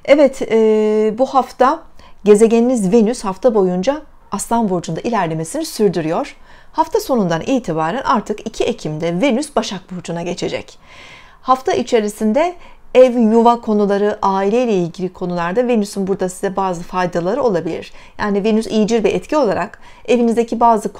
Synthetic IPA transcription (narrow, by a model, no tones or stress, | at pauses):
ɛvɛt̪ʰː | buhaft̪ʰaɟe̞ze̞ɟɛninizvenyshaft̪ʰabo̞jund͡ʒaː | st̪anvuɾd͡ʒund̪aʔilʲæɾlʲe̞me̞sinisyɾd̪yɾyjo̞ɾ̥ | haft̪ʰaso̞nund̪anʔiːt̪ʰibaːɾænʔaɾt̪ʰɯkicʰiecʰimd̪ɛve̞nysbaʃak̚bud͡ʒunaɟe̞t͡ʃʰe̞d͡ʒɛ̰c | haft̪ʰaʔit͡ʃʰe̞ɾisind̪ɛɛvjuvakʰo̞nulˠaɾɯʔaːilʲe̞jlʲɛilʲɟilʲikʰo̞nulˠaɾd̪ave̞nysynbuɾd̪asizɛbaːzɯfajd̪alˠaɾɯo̞lˠabilʲḭɾ̥jaːnive̞nysijd͡ʒiɾvɛʔɛt̪cʰio̞lˠaɾak | e̞vinizd̪e̞cʰibaːzɯk